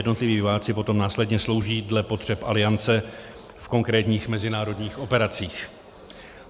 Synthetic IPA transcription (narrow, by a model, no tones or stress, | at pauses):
ɛdno̞t̪lɪviːvɪvaːt͡sɪpo̞t̪o̞mnaːslɛdɲɛslo̞wʒiːdlɛpo̞t̪r̝̥ɛpʔalɪant͡sɛ | fko̞ŋkɾɛːt̪ɲiːxmɛzɪnaːɾo̞dɲiːxʔo̞pɛɾat͡siːx